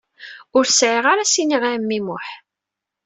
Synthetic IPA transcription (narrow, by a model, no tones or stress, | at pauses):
ʊɾsʕiʁaɾasiniʁamːimʊħ